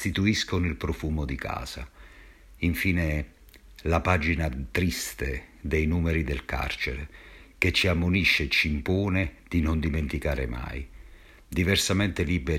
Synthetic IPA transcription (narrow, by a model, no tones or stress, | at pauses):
t̪it̪uiskʊnilpɾɔfuːmʊd̪ikʰa̰ːsa̰ | iɱfiːne | lapaːd͡ʒinat̪ɾist̪ed̪ɛjnuːmeɾid̪elka̰rt͡ʃeɾek̟et͡ʃːiamːʊniʃːet͡ʃimpuːned̪̥inʊnd̪iment̪ikaːɾɪ̰ma̰j | d̪ivɛrsamɛnt̪ɪlibe